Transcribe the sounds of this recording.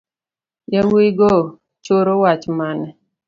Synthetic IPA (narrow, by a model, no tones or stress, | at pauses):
jawiɡɔ | t͡ʃoɾowat͡ʃmanɛ